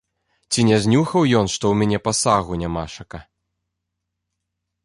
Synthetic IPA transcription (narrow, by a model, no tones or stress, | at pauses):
t͡sʲinʲɛzʲnʲuxɐwjɔnʂt̪ɔwmʲanʲɛpɐsaɣunʲamaʂɐkɐ